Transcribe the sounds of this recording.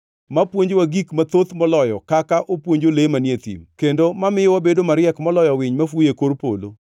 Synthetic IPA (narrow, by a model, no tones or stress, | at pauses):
mapwoɲd͡ʒowaɡikmat̪ot̪mɔlɔjɔkakaʔopwoɲd͡ʒolemanet̪ḭmkendomamɪjwabedomaɾɪɛkmɔlɔjɔwɪɲmafujekoɾpo̰lo̰